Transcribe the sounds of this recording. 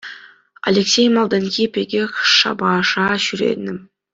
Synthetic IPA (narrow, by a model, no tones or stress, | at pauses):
a̰lʲeksʲejmɑlˠd̪ɑnkʲipʲeɡʲexʂɑ̰bɑʂɑɕyɾḛt̪nɘm